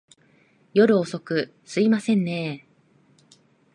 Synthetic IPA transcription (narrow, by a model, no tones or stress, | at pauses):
jo̞ɾɯ̟oso̞kɯ̟ | sɨimasẽ̞nːe̞ː